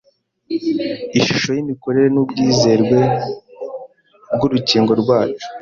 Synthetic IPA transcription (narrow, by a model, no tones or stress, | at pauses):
iʃuʃo̞jimiko̞ɾe̞ɾe̞nubɟiːze̞ːɾɡwe̞ | bɡuɾuciːŋɡo̞ɾɡwaːt͡ʃu̥